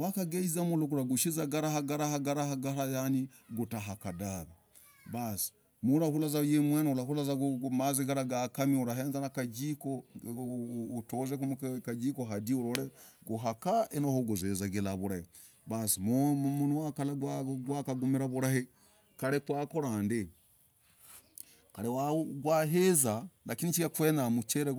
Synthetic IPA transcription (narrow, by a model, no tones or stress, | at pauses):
wakaɡeizamulokuɾaɡuʃizaɡaɾahaɡaɾahaɡaɾahaɡaɾajani | ɡotaɦakadaba | bas | muɾahulazajemwenulahulazaɡmazeɡaɾaɡakamiuɾaɦenzanakad͡ʒiko | tozekumkad͡ʒikoɦadiuɾoɾeɡoɦakaenohoɡozezaɡelaβuɾahe | basimuunuwakalaɡwaɡwakaɡumiɾaβuɾahe | kaɾekwaːkoɾaːnde | kaɾewaɡwaɦezalakinit͡ʃiakwenamut͡ʃeɾe